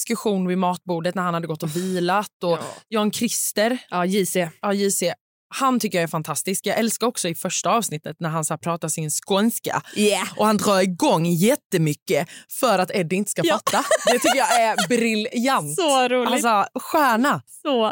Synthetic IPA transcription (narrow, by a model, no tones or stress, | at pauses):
skɵɧuːnvɪmɑːt̪̚buːɖət̪næɾhanhad̪ːəɡɔt̪ːɔviːlat̪ɔjɑːnkʰɾɪst̪əɾjiseɑːjiːse | hant̪ʰʏkːəjaæɾfant̪ʰast̪ɪskjɑːɡʔɛlskaɾɔksɔɪfœʂʈaɑːvsnɪt̪ːət̪næɾɦansaːɾpʰɾɑːt̪aʂɪnskɔnska̰jɛʔɔhand̪ɾɑːɾɪɡɔŋːjɛt̪ːəmʏkːəfœɾat̪ɛd̪ːɪɪnt̪ə̥skafat̪ːad̪ɛt̪ʰʏkːəjɑːæɾbɾɪljant̪ɔɾuːas̬ɑːɧæːɳasɔ